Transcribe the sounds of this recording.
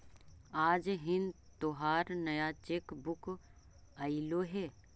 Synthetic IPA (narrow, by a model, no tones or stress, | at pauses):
aːd͡ʒɦɪnt̪oɦaːɾnəjat͡ʃeːkbʊk | aɪloɦɛː